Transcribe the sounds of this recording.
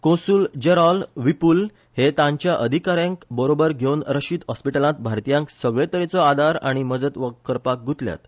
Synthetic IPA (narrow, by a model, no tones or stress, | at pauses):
kõsuld͡ʑeɾɔlʋipul | het̪ãɲt͡ɕjaʔəd̪ʱikaɾjãŋkbəɾobəɾɡʱewnɾəɕiːd̪ɦɔspiʈəlãt̪̚bʱaɾt̪ijãŋksəɡɭet̪əɾet͡sɔad̪ʱaɾaɽ̃iməd͡zət̪ʋəkːəɾpak̚ɡʱut̪lja̰t̪